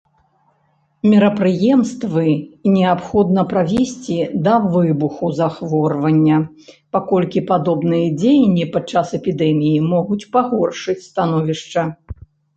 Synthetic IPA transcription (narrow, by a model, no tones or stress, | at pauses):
mʲɛɾɐpɾɨjɛmst̪vɨnʲɛapxɔd̪nɐpɾavʲesʲt͡sʲid̪ɐvɨbuxuzaxvɔrvɐnʲːɐ | pakɔlʲkʲipad̪ɔbnɨjɐd͡zʲejɐnʲːipat͡ʂasɛpʲid̪ɛmʲijimɔɣut͡sʲpaɣɔrʂɨt͡sʲst̪anɔvʲiʂt͡ʂɐ